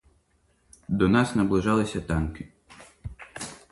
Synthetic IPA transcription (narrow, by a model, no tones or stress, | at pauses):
d̪ɔnɑsnɐblˠɪʒɑlˠɪsʲɐt̪ɑnkɪ